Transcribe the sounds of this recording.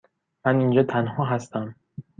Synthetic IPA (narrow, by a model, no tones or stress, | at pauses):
mænind͡ʒɒːt̪ʰænɦɒːɦæst̪æm